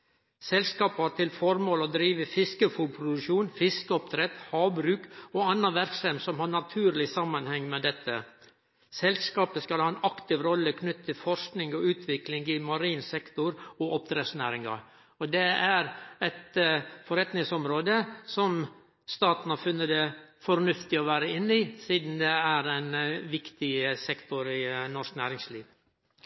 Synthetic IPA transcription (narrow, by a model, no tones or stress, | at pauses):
sɛlskɑːpɑʈ̪ʰɪlfɔɾmoːlɔd̪ɾiːʋəfɪskəfuːd̪̚pʰɾʊd̪ʉʂuːnfɪskəɔpt̪ʰɾɛt̪hɑːbɾʉːkɔɑnːɑʋæɾksɛmsɔmhɑɳɑt̪ʰʉːɾlɪsɑmːɑnhɛŋːmɛd̪ɛt̪ʰːə̰ | sɛlskɑːpəskɑlhɑːɛnɑkt̪ɪʋɾɔlːəkʰnʏt̪ʰːɪlfɔɾʂknɪŋɡɔʉːt̪ʰʋɪklɪŋɡɪmɑɾiːnsɛkt̪ʊɾɔʔɔpt̪ɾeːsnæːɾɪŋɑ̰ | ɔd̪ɛæɾɛt̪fɔɾɛt̪nɪŋsɔmɾoːd̪əsɔm | st̪ɑːt̪n̩ɑfʏnːəd̪ɛfɔɾnʉft̪ɪɔʋæːɾəɪnːɪsiːd̪n̩d̪ɛæɾɛɪnʋɪkt̪ɪəsɛkt̪ʊɾɪnɔʂknæːɾɪŋsliːʋ